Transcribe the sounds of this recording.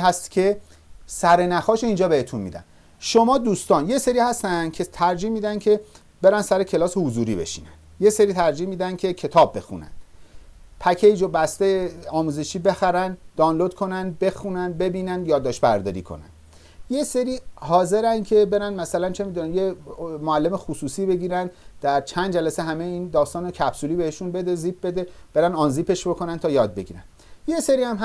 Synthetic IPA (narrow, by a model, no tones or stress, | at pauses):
ɦæst̪cʰe̞ | sæɾe̞næxɒːʃoiːnd͡ʒɒːbe̞het̪ʰunmḭːd̪æ̰n | ʃo̞mɒːd̪uːst̪ɒːnje̞se̞ɾiːhæst̪ænd̪̥cʰe̞t̪ʰæɾd͡ʒiːhmiːd̪ænd̪cʰe̞ | b̥e̞ɾænd̪sæɾecʰe̞lɒːse̞huzuːɾḭbe̞̰ʃḭːnænjeseɾiːt̪ʰæɾd͡ʒiːhmiːd̪ænd̪kʲʰe̞cʰe̞t̪ʰɒːbːe̞̰xṵnæ̰n̥ | pʰæcʰeid͡ʒobæst̪ejeɒːmuːze̞ʃiːbe̞xæɾænd̪̥ɒːnlod̪̚kʰo̞nænd̪be̞xunænd̪̚be̞biːnænd̪jɒːd̪ːɒːʃt̪bæɾd̪ɒːɾḭːkʰo̰næ̰nd̪ | je̞seɾiːhɒːze̞ɾænd̪cʰe̞be̞ɾænd̪mæsælænt͡ʃʰe̞miːd̪unænjemoælːe̞mexusuːsiːbe̞ɡiːɾænd̪d̪̥æɾt͡ʃʰænd̪d͡ʒælæseɦæmejiːnd̪ɒːst̪ɒːnocʰæpsuliːbe̞heʃunbe̞d̪e̞ziːp̚be̞d̪e̞b̥e̞ɾænɒːnziːpʰe̞ʃb̥o̞kʰo̞nænt̪ʰɒːjɒːd̪̚be̞ɡiːɾæ̰n | jeseɾiːhæmɦ